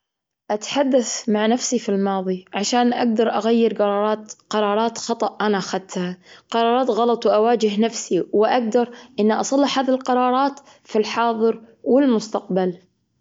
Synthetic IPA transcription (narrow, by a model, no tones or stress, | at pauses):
ʔat̪ħad̪ːaθmaʕnafsifilmɑːðˤiʕaʃaːnʔaɡ̚d̪ɑɾˤʔaɣajːɪɾqɑɾˤɑːɾˤɑːt̪qɑɾˤɑːɾˤɑːt̪xɑt̪ˤɑʔʔanaʔaxad̪̚t̪haqɑɾˤɑːɾˤɑːt̪ɣɑlɑt̪ˤwʔawaːd͡ʒɪɦnafsiwɪʔaɡ̚d̪ɑɾˤʔɪnːaʔɑsˤɑlːɑħhaːðilqɑɾˤɑːɾˤɑːt̪ | filħɑːðˤɨɾ | wɪlmʊst̪aq̚bal